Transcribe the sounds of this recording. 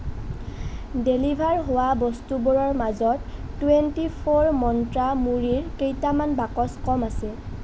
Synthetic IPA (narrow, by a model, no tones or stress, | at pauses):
delibʱaɹɦowabɔstubɔɹɔɹmazɔtːuwentipʰoɹmɔntɹamuɹiɹkejtamanbakɔskɔmasɛ